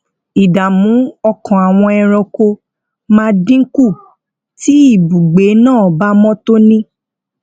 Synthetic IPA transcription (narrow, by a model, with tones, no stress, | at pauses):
i˨da˨mũ˨˦ɔ˧kʰɔ̃˨a˨w̃ɔ̃˧ɛ˧ɾɔ˧ko˧ | mãː˦˧dĩ˦ku˦˨ | ti˦i˦˨bu˨ɡ͡be˨˦nãː˦˨ba˦mɔ̃˦to˦nĩ˦